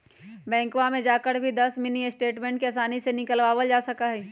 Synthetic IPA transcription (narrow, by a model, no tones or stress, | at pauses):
bɛ̃ːŋkʋamẽd͡ʒaːkəɾbʱid̪ɐsmɪniesʈeːʈmɛ̃ːɳʈkeɐs̬aːnisenɪkəlʋaːʋəld͡ʒaːsɐkaɦɛː